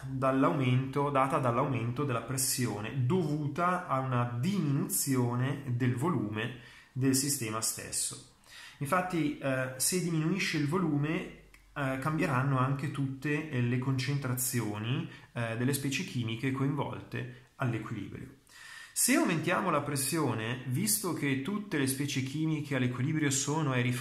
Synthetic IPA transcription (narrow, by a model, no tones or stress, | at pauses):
d̪alːawment̪od̪aːt̪ad̪alːawment̪od̪elːapɾesːjoːnḛd̪ovuːt̪aːunad̪iminut̪sjoːned̪elvoluːme | d̪elsist̪ɛːmast̪ḛsːo̰ | iɱfat̪ːised̪ːiminuiʃːeilvoluːme | kambjeɾanːoaŋket̪ut̪ːelekont͡ʃent̪ɾat̪sːjoːnid̪elːespɛːt͡ʃek̟ʰiːmikekoiɱvɔ̰lt̪ḛ | alːekwilḭːbɾjo̰ | seawment̪jaːmolapɾesːjoːnevist̪ok̟et̪ːut̪ːelespɛːt͡ʃek̟ʰiːmikʰealːekwiliːbɾjosoːnoeɾif